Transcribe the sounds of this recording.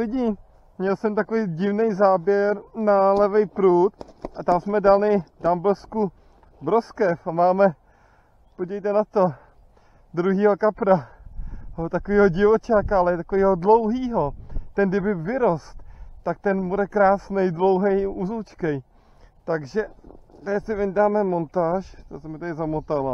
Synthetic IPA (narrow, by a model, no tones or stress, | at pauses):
lɪɟɪ | mɲɛlsɛmt̪akovijɟɪvnɛjzaːbjɛɾnalɛvɛjpɾuːt̪ʔat̪amsmɛdalɪdamblɛsku | bɾoskɛfamaːmɛ | poɟɛjt̪ɛnat̪o̞ | d̪ɾuɦiːɦokapɾa | ot̪akoviːɦoɟɪvot͡ʃaːkaalɛt̪akoviːɦodlowɦiːɦot̪ɛnɡdɪbɪpvɪɾost̪t̪ak̚t̪ɛnmudɛkɾaːsnɛjdlo̞wɦɛjuzut͡ʃkɛj | t̪aɡʒɛt̪ajɛsɪvɪɲdaːmɛmo̞nt̪aːʃt̪asɛmɪt̪adɪzamot̪ala